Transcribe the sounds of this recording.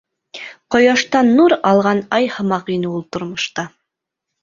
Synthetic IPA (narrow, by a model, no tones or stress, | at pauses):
qŏjɑʃt̪ɑnːuɾɑlˠʁɑnɑjhɤ̆mɑqinɘulˠt̪ŏɾmŏʃt̪ɑ